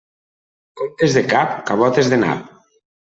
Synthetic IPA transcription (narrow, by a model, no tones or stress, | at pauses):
komt̪ezðekapkaβɔt̪ezðena̰p